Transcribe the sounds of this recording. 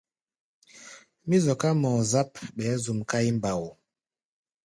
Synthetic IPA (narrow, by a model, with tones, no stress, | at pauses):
mi˦zɔ˨ka˦mɔ˨za˦p̚ɓɛ˨˦zu˨mka˦i˦m˨ba˨w